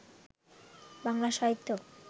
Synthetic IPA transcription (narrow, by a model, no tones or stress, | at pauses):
baŋlaʃaɦit̪ːo